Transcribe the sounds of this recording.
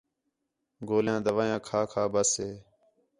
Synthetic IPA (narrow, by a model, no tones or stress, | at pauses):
ɡoːljãːd̪əʋaːjãːkʰaːkʰaːbəsɦeː